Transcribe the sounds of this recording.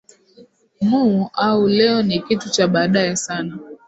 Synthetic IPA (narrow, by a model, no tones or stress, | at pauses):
muːaulɛɔnikitut͡ʃaɓaːɗaɛsana